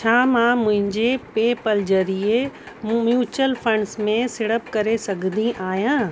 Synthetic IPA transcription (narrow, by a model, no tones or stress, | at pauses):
t͡ɕʰaːmãːmʊ̃ɦɪ̃ɲd͡ʑepeːpəld͡ʑɐɾie | mjuːt͡ɕəlfʰɐ̃ɳɖsmẽsɪɽəpkɐɾesɐɡʱd̪ĩʔaːɦjãː